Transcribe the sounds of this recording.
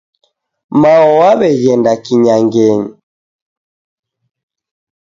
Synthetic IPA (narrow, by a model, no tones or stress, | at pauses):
maɔwaβɛɣɛndakiɲaŋɡɛɲi